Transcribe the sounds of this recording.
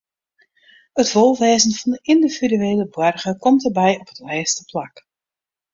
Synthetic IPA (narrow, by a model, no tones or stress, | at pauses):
ətʋolˠʋɛːzənfɑndəʔɪndividyeːləbwɔrɣəkɔmtərbɛjɔpətʋɛːstəplak